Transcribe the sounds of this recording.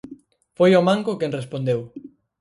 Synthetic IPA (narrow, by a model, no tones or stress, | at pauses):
fojomãŋkokenrespond̪ew